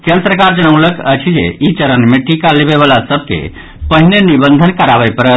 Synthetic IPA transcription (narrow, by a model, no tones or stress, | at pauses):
kent̪ɾəkaɾd͡ʒəñəʊləkə̰t͡ʃʰid͡ʒḛit͡ʃəɾənmeʈikaleβeβalasəb̚ʱkḛ | pəɦinenibənd̪ʱənkəɾaβəjpəɾə